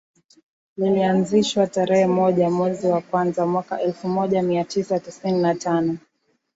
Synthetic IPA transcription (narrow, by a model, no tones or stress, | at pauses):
lilianziʃwataɾɛhɛmɔʄamwɛziwakwanzamwaka̰ʔɛlfumɔʄamiatʰisatisininatʰanɔ